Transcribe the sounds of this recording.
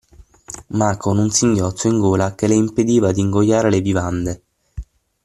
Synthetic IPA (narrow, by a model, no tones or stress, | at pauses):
makonunsiŋɟjɔt̪sːoiŋɡoːlakeleimped̪iːvad̪iŋɡojːaːɾelebivand̪e